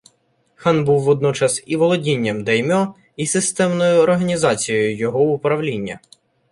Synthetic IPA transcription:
xɑnbuwːɔd̪̚nɔt͡ʃɐsiʋɔlˠɔdʲinʲːɐmd̪ɐjmʲɔ | isɪst̪ɛmnɔjʊɔrɦɐnʲizɑt͡sʲijɔjʊjɔɦɔʊpɾɐwlʲinʲːɐ

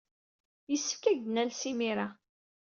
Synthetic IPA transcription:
jəsːə̥fkæɡnælsimiɾa

